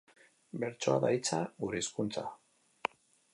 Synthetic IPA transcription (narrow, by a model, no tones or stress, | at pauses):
be̞ɾt͡soa̰ðajt͡saɣuɾeiskunt͡sa̰